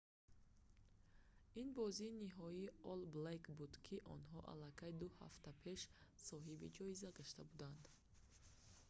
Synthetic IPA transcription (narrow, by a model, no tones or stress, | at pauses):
inbɔziːniɦɔiːɔlblekbud̪kʰiʔɔ̰nɦɔʔa̰lːakʰajd̪uha̰ft̪apʰe̞ʃsɔɦibḭd͡ʒɔizaɡaʃt̪abud̪and̪